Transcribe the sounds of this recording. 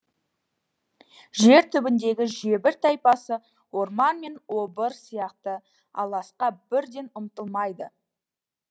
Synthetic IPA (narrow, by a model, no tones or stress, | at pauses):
ʒe̞ɾt̪ʰʏbɪnd̪e̞ɡʲɪʒe̞bɪɾt̪ʰɑjpɑsə | wo̞ɾmɑnme̞nwo̞bəɾsijɑqt̪ə | ɑ̰lˠɑsqɑbɪɾd̪e̞nʊmt̪əlˠmɑjd̪ə